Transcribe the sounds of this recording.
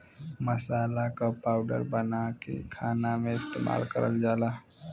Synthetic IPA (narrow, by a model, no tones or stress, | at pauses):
məsaːlakapaːʊɖə̰ɾbənakḛkʰaːnamẽɪst̪eːma̰ːlkə̰ɾʔə̰ld͡ʒaːlaː